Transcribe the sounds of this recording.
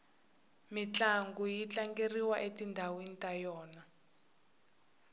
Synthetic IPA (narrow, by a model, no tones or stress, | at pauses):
mit͡ɬaŋɡujit͡ɬʼaŋɡeriwaʔetʼindʱawenitʼajɔːna